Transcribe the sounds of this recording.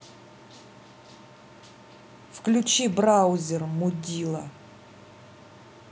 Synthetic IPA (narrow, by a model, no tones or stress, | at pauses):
fklʲut͡ɕibrawzʲɛrmudʲilˠɐ